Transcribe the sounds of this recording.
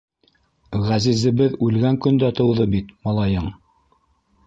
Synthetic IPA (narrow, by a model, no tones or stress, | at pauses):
ʁæzizɘ̆βɘðʉlɡæŋkɵ̆nd̪æt̪ɤ̆wðɤbit̪mɑlˠɑjɤɴ